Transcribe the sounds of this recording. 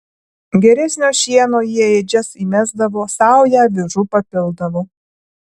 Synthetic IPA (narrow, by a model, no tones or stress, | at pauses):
ɡʲɛɾʲɛsʲnʲoːʃʲiɛnoːjiɛed͡ʒʲɛsiːmʲæzd̪ɐʋoːsɑˑʊjæːʋʲɪʒuːpɐpʲɪlˠd̪ɐʋoː